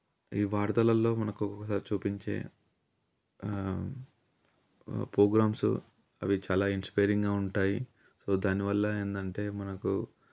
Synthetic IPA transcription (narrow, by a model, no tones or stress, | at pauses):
iːʋaːɾd̪ɐlɐlːo̞ːmɐnɐkuɔkːɐsaːɾit͡ʃuːpiɲt͡ʃe̞̰ː | pɾoːɡɾaːmsṵ | ɐ̰ʋit͡ʃaːlaːinspɐjɾiŋɡaːuɳʈaːji | so̞ːd̪aːniʋɐlːɐeːnd̪ɐɳʈe̞ːmɐnɐku